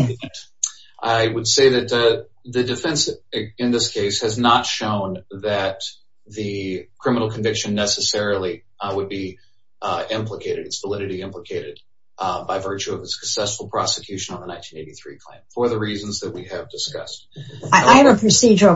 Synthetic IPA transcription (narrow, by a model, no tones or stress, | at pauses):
ʔaɪwəd̥seɪðɨt̪̚ | ðɨdɨfɛ̃nsɨ̃nðɪskʰeɪshɨznətʃõʊ̃nðɨt̪̚ | ðɨkʰɹ̥ɪ̃mənl̩ˠkʰɨ̃ɱvɪkʃɨ̃nːɛsɨsɛɹl̩ˠi | wəd̚bi | ɪ̃mpləkʰeɪɾɨɾɨtsv̥əlɪɾɨɾiɪ̃mpləkʰeɪɾɨd̚ | baɪvɜ˞t͡ʃʉʌvɨsɨ̥ksɛsfl̩ˠpʰɹ̥ɑsə̥kʰj̥ʉʃɨ̃nə̃n̩ðənãɪ̃ntʰĩneɪɾiθɹḭkʰl̥ḛ̃ɪ̃mfə˞ðɨɹiz̃n̩zðɨt̚wiɨvdɨskʌ̰st̚aɪɨvəpʰɹ̥ɨsid͡ʒə˞